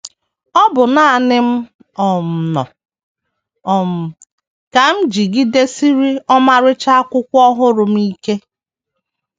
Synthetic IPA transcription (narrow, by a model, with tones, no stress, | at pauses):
ɔ˦bʊ˨na˦a˨nɪ˦m̩˦ | ɔ˨m̩˨nɔ̰˨ | ɔ˨m̩˨ | ka˨m̩˦d͡ʒi˨ɡi˦de˦si˦ɾi˦ɔ˦ma˨ɾɪ˦t͡ʃa˦a˦kʷʊ˦kʷɔ˦ɦʊ˦ɾʊ˨m̩˦i˦ke˦